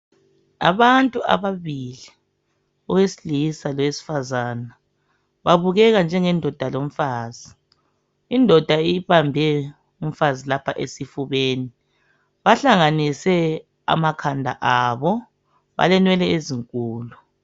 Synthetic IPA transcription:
a̰βantʼua̰βaβili | ɔwesilisalwesi̥fazaːna | βaβuɣɛɣand͡ʒʱɛŋɛndʱɔd̥ʱalom̩faːzi | indʱɔd̥ʱaiβambʱɛ | um̩fazilapʰaʔesifuβeːni | βaɬaŋanisɛ | a̰makʰandʱa̰ʔaβɔ | βa̰lɛnwɛlɛeziŋkʼuːlu

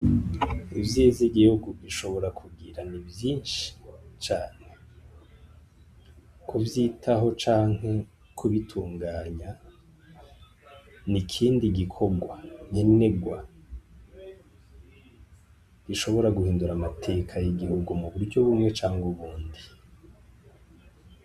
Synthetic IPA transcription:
ivjeːziɡihuɡuβiʃo̞βo̞ɾakʰuɡiɾanivjiːnʃi̥t͡ʃaːne̞ | kʰuvjiːtʰaɦo̞t͡ʃaːŋ̥he̞ | kʰuβitʰuːŋɡaːɲa | nikʰiːndiɡikʰo̞ɡwaɲene̞ɡwa | ɡiʃo̞βo̞ɾaɡuhiːnduɾamatʰe̞kʰajiɡihuɡumuβuɾɟoβumŋe̞t͡ʃaːŋɡuβuːndi

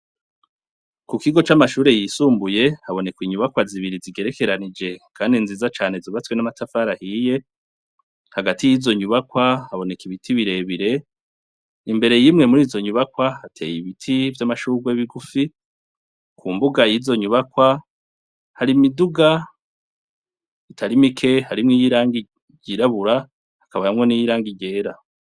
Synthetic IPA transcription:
kukiɡo̞t͡ʃamaʃuːɾe̞jiːsuːmbuje̞haβo̞ne̞kwiɲuβakwaziβiɾiziɡe̞ɾe̞ke̞ɾanid͡ʒe̞kʰaːndinziːzat͡ʃaːne̞ziβat͡swenamatafaɾahiːje̞ | haɡatijiːzo̞ɲuβakwahaβo̞ne̞kiβitʰiβiɾe̞βiɾe̞ | imbe̞ɾe̞jimŋe̞muɾiːzo̞ɲuβakwahatʰe̞̰ːjiβitʰivjamaʃuɡweβiɡufi | kʰuːmbuɡajizo̞ɲuβakwa | haɾimiduɡa | itʰaɾimikʰe̞haɾimŋiːjiɾaːŋɡi | ɟiɾaβuɾa | hakaβajamŋo̞nijiɾaːŋɡiɟe̞ːɾa

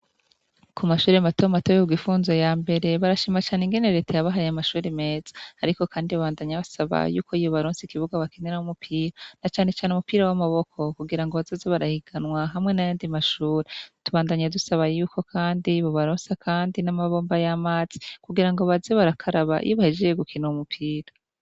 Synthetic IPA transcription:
kʰumaʃuːɾematomatojekuɡifuːnzojaːmbe̞ɾe̞βaɾaʃimat͡ʃaːneŋɡe̞ne̞ɾe̞ːtʰajaβaɦajamaʃuːɾeme̞ːz̥ḁːɾiko̞kaːndiβaβaːndaɲaβasaβa̰jṵːkoijoβaɾoːnsikiβuɡaβakeneɾahumupʰiːɾanat͡ʃaːne̞t͡ʃaːneumupiːɾawamaβo̞kʰo̞kuɡiɾaŋɡoβazozeβaɾahiɡ̥anwaɦamŋe̞najoːndimaʃuːɾetuβaːndaɲadusaβajuːko̞kʰaːndiβo̞βaɾoːnsakʰaːndinamaβo̞ːmbajamaːz̥i̥kuɡiɾaŋɡo̞βazeβaɾakʰaɾaβa̰ʔḭjoβahed͡ʒejeɡukʰineumupʰiːɾa

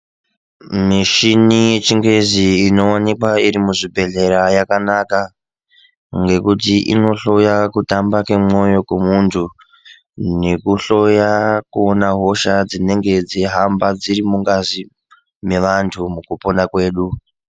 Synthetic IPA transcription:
miʃinije̞t͡ʃiŋɡwe̞ziːno̞onikwaiɾimuʐibʱe̞ɮe̞ɾajakanaka | ŋɡe̞kutiʔḭno̞ɬo̞jakutambakemo̞jo̞kemuntʰu | ne̞kuɬo̞jakuonaɦo̞ʃad͡zine̞ŋɡe̞d͡ziɦambad͡ziɾimuŋɡazi | me̞ʋantʰumukuponakwe̞ːɗu

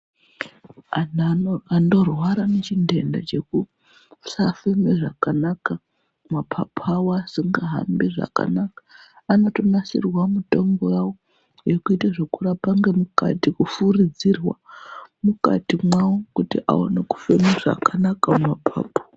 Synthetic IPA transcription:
aando̞rwaɾanet͡ʃinde̞nda̰t͡ʃe̞ku | safemeʐakanaka | mapʰapʰawasiŋɡaɦa̰mbiʐa̰ka̰nakḁ | ano̞to̞nasḭrwamuto̞ŋɡo̞jawo̞ | je̞kuitaʐekuɾapaŋɡe̞muka̰tikufurid͡zirwa̰muka̰timwawokutiʔa̰o̰neku̥femeʐa̰kanakammapʰa̰ːpḁ

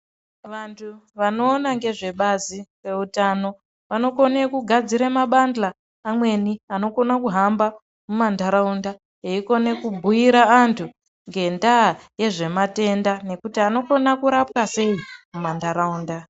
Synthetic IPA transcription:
ʋantʰuʋano̞ːnaŋɡe̞ʐe̞ɓaziwe̞utano̞ | ʋano̞ko̞nekuɡʱad͡ziɾemaɓandlaː | mwe̞niano̞ko̞nakuɦamba | mumandaɾaunda | eiko̞ne̞kubʱujiɾaːntʰu | ŋɡe̞ndaːje̞ʐe̞mate̞ndane̞kutiano̞ko̞nakuɾapwase̞imumandaɾauːnda

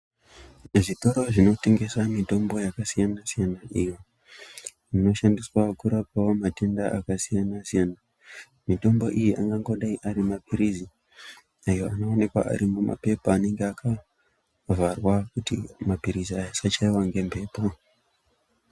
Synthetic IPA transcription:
ʐito̞ɾo̞ʐino̞te̞ŋɡe̞samito̞mbo̞jakasijanasijanaʔijo | ʐino̞ʃandiswakuɾapawomate̞ndaʔakasijanasijana | mito̞mbo̞ʔijiʔaŋɡaŋɡo̞ɗaiʔaɾimapʰiɾizi | ajo̞ano̞ːne̞kwa̰ʔa̰ɾimuma̰pe̞poane̞ŋɡeakʰa | varwakutḭmapiɾiziajasat͡ʃaiwaŋɡe̞mpe̞ːpo

